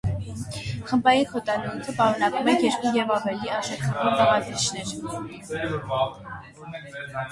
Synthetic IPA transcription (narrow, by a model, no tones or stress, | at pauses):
χəmbɑjinχʰɔt̪ɑnut̪ʰəpɑɾunɑkumɛnjɛɾkujɛvɑvɛliɑʃɑkʰɑkʰɔɾd̪əʁɑɡɾit͡ʃʰnɛɾ